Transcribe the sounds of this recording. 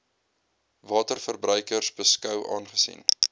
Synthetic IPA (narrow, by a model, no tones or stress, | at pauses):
vɑːtərfərbrœɥkərsbəskœwʔɑ̰ːnχəsḭn